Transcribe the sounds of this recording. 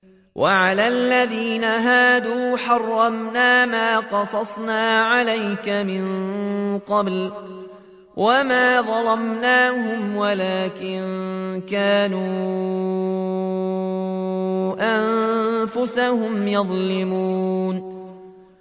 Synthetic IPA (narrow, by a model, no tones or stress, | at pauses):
wʔaʕalaːlːaðiːnaɦaːd̪uːħɑrˤːɑmnaːmaːqɑsˤɑsˤnaːʕalajkamɪɴ | qɑbl | wʔamaːðˤɑlɑmnaːhʊmwalaːkɪnkaːnu | ʔannfʊsahʊmjɑðˤlɪmuːn